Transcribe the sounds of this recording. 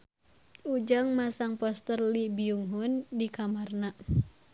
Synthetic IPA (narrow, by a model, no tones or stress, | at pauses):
ud͡ʒaŋmasaŋpɔst̪ərlibiuŋɦundikamarna